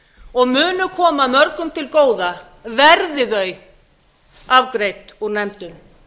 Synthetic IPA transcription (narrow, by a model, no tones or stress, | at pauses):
ɔɣmʏːnʏkʰɔːmamœɾkʏmt̪ʰɪlkoːwða | vɛɾðɪðœɥ | avkɾejt̪uɾnɛmt̪ʏn